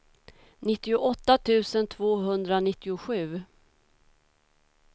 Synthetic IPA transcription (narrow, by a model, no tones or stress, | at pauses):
nɪt̪ːɪʊʔɔt̪ːat̪ʰʉ̟ːsənt̪ʰvoːɦɵnd̪ɾanɪt̪ːɪʊɧʉ̟ː